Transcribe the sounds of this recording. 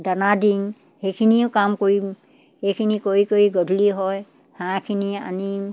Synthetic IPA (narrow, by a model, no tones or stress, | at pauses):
danadiŋ | hekʰiniʊkamkoɹi | hejkʰinikoɹikoɹiɡɔdʱuliɦɔj | hãkʰinia̰ni